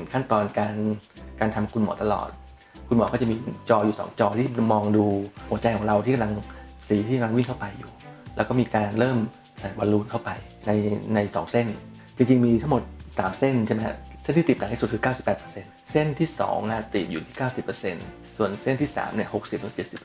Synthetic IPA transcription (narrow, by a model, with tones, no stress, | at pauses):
nkʰa˥˩nt̪ɔː˧nkaː˧nkaː˧nt̪ʰa˧mkʰu˧nmɔ̰ː˩˦t̪a˧lɔ̰ː˨˩t̪̚ | kʰu˧nmɔː˨˩˦kɔː˥˩t͡ɕa˨˩miː˧t͡ɕɔː˧juː˨˩sɔ̰ː˩˦ŋt͡ɕɔː˧t̪ʰiː˥˩mɔː˧ŋduː˧hu˩˦ət͡ɕa˧jkʰɔː˨˩˦ŋɾa˧wt̪ʰiː˥˩ka˧la˧ŋ | siː˩˦t̪ʰiː˥˩ka˧mla˧wi˥˩ŋkʰa˥˩wpa˧jːuː˨˩lɛː˧˦˥wkɔː˥˩miː˧kaː˧nɾɤː˥˩m | saː˩˦jbɔ˧nluː˧nkʰa˥˩wpa˧j | na˧jna˧jsɔ̰ː˩˦ŋse˥˩n | t͡ɕi˧ŋt͡ɕi˧ŋmiː˧t̪ʰa˥˩mo˨˩t̪̚saː˩˦mse˥˩nt͡ɕʰe˥˩mɛ˦˥se˥˩nt̪ʰiː˥˩i˨˩p̚na˨˩˦t̪i˥su˨˩t̪̚kʰɯː˧˦˥kaː˥˩wsi˨˩pːɛː˨˩t̪pə̥˧se˧n | se˥˩nt̪ʰiː˥˩sɔ̰ː˩˦ŋʔa˨˩t̪i˨˩p̚juː˨˩t̪ʰiː˥˩kaː˥˩wsi˨˩pːə˧se˧n | su˨˩ənse˥˩nt̪ʰiː˥˩sa̰ː˩˦mni˥˩əho˨˩k̚si˨˩p̚ɾɯ˨˩˦t͡ɕe˨˩t̪̚si˨˩p